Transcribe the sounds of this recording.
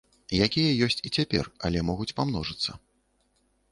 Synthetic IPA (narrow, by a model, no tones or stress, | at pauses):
jakʲijɐjɔsʲt͡sʲit͡sʲapʲɛ̰rɐ̰lʲɛmɔɣut͡sʲpamn̪ɔʐɨt̪sːɐ